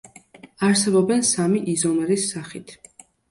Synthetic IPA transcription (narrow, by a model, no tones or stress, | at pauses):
aɾsɛbɔbɛnsamiʔizɔmɛɾisːaχit̪ʰ